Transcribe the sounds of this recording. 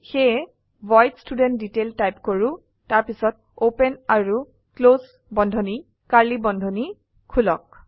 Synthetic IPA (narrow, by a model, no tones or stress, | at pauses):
xe | bɔjtstudɛnt̚diteltajpkoɹu | taɹpisɔt̚opɛnaɹu | klos | bɔndʱɔni | kaɹlibɔndʱɔni | kʰulɔk̚